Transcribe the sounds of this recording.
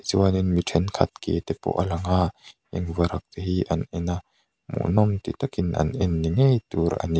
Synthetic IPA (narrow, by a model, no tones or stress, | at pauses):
ziwaninmitʰɛnkʰɐ̰t̪̚kḛt̪ɛpɔ̰ʔalɐŋa | ɛŋvaɾak̚teɦiʔɐnɛna | mṵʔnɔmt̪it̪akinʔɐ̰nɛnːiŋejt̪uɾa̰ni